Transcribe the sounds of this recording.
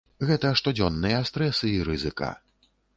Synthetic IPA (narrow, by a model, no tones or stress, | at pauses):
ɣɛt̪ɐʂt̪ɔd͡zʲɔnːɨjɐst̪ɾɛsɨiɾɨzɨka̰